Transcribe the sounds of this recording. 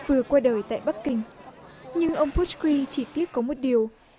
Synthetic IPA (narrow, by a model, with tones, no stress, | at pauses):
vɨ˨˩əkwaː˧ɗəː˨˩jt̪a̰ː˧˨jɓa˦˥k̚kï˧ŋ̟ɲɨ˧ŋʔə˧wŋ͡mpʰu˦˥kwi˧t͡ɕi˧˩t̪i˦˥ət̚kɔ˨˦mo˨˩t̚ɗi˨˩əw